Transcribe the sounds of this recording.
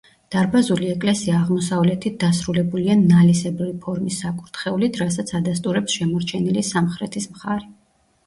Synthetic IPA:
d̪̥aɾbazuliɛkʼlɛsiaːʁmɔsavlɛt̪ʰit̪̚d̪asɾulɛbulianalisɛbuɾipʰɔɾmisːakʼuɾt̪ʰχɛulit̪ʰɾas̬at̪sʰad̪ast̪ʼuɾɛpsʃɛmɔɾt͡ʃʰɛnilisamχɾɛt̪ʰismχaɾɛ

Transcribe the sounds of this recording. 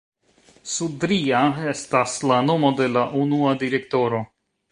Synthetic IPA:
sudɾiae̞staslano̞mo̞de̞laʔunuadiɾe̞k̚to̞ɾo̞

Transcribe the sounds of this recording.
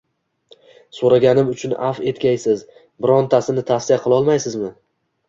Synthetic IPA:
soɾaɡʲanɪmʊt͡ʃʰʊnafe̞t̪kʲajsɪz | bɪɾɒnt̪ʰasɪnɪt̪ʰasɪaqʰɨlˠɒlˠmajsɪzmɪ

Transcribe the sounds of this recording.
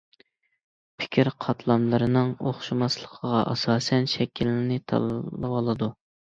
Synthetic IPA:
pʰɪ̥kʲʰiɾqʰɑt̪ʰlˠɑmlˠɨɾɨnɨŋoχʃumɑslˠəqʰəʁɑʔɑsɑːsɛnʃɛkʲʰilɪnɪt̪ʰɑ̰əwɑlˠɨd̪u

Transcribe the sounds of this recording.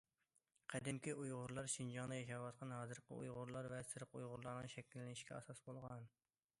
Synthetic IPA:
qʰæd̪ɪmkʲiʔujʁʊɾlˠɑɾʃind͡ʒɑŋnɨjɛʃɑwɑt̪̚qʰɑnɦɑːzɨɾqʰə̰ṵjʁʊɾlˠɑɾvɛsɨɾqujʁʊɾlˠɑɾnɨŋʃɛkʲilːɪnɪʃkʲɛ̰ɑ̰sɑsbolˠʁɑn

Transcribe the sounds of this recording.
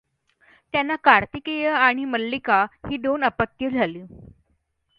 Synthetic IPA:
t̪janːakaɾt̪ikejəaɽ̃iməlːikahiːd̪onəpət̪ːjəd͡zʱaliː

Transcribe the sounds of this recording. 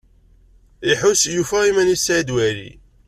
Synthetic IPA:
iħusjufæimænisæd̪wælḭ

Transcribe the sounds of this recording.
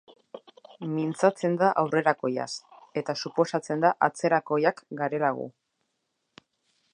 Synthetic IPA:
mint͡sat͡se̞nd̪aʔawre̞ɾako̞ja̰se̞t̪asupo̞sat͡se̞nd̪aʔat͡se̞ɾako̞jakɡaɾe̞laɣ̞ṵ

